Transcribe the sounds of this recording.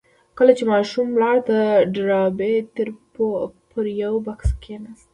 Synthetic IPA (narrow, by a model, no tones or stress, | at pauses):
kəlat͡ʃemɑʃumlɑɽt̪aɖɾɑbet̪eɾ | pʰəɾjawbakskʰenas